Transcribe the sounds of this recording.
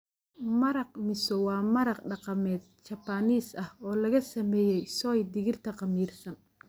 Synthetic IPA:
mɐɾɑq̚mɪsɔwɑːmɐɾɑqɖɑqɑmɛːd̪̚t͡ʃɐpaːniːsɐhɔːlɐɣɐsɐmɛːjɛjsɔːjd̪ɪɣɪrt̪ʰɐqɑmiːrsɐn

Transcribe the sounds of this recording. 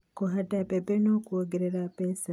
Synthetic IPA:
koɦatapepenokuoɡeɾeɾapesa

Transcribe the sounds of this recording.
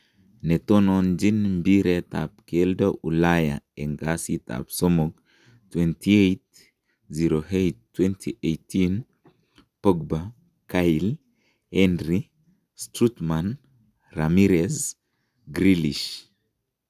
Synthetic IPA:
netonond͡ʒinmbiɾeta̰p̚keldaʔulaja̰eŋɡasita̰psomoɡ̚ | twɛntʰiejt | ziɾohejttːwɛntʰiʔejtin | poɡba | kajl | ɛndɾi | stɾutman | ramiɾes | ɡɾiliʃ

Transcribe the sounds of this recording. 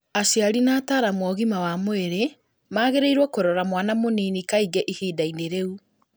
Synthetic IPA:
asjaɾinaːtaːɾamwɔɣimawamoeɾe | maːɣeɾeiɾwɔkoɾɔɾamwanamoninikaiɡɛʔihiːdaineɾeu

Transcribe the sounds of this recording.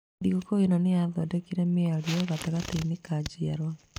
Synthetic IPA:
diɣokoenonejaðodekiɾemeaɾioɣataɣateinikad͡ʒiaɾwa

